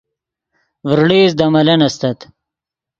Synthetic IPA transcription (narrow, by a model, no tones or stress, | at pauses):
vɾɽiːzd̪ɐmɐlɐnɐst̪ɐt̪